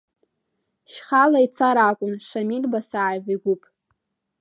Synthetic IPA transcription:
ʃχalait͡sʰaɾakʷʼʊnʂamirbasaʕajviɡʷupʼ

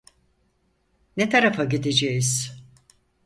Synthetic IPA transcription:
net̪ʰaɾafaɟid̪ed͡ʒejiz̥

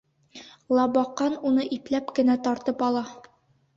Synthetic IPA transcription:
lˠɑbɑqːɑnunɤʔiplæpkɘ̆næt̪ɒɾt̪ɤpɒlˠɑ

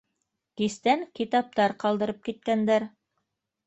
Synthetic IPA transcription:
kist̪æŋkit̪ɑp̚t̪ɑɾqɑlˠd̪ɤ̆ɾɤp̚kit̪̚kænd̪æɾ

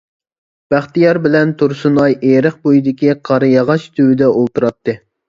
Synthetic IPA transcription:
b̥æχt̪ijɑɾbɪlɛnt̪ʰuɾsunɑjeɾəχ̚bojid̪ɪkʲiqʰɑɾɨjɑʁɑʃt̪ʰywɪd̪ɛolˠt̪uɾɑt̪ːɨ

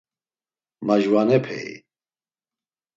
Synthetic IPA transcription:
maʒwanɛpʰɛ̰ḭ

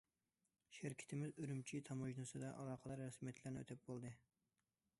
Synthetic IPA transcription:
ʃɪɾkʲʰɪ̥t̪ʰɪmɪzyɾymt͡ʃʰit̪ʰɑmoʒnɨsɨd̪ɑʔɑlˠɑːqʰəlˠɑɾɾɛsmijɛt̪ʰlæɾnɪ̰ø̰t̪ʰæp̚bolˠd̪ɨ

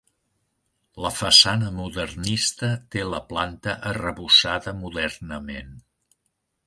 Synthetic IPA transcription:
ləfəsanəmuðərnist̪ət̪eləplant̪əʔərəβusaðəmuðɛrnəmen

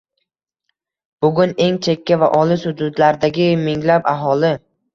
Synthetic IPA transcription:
b̥ʊɡʲʊne̞ŋt͡ʃʰe̞kʲʰːavaʔɒlɪshʊd̪ʊd̪laɾd̪aɡʲɪmɪŋlapaɦɒlɪ

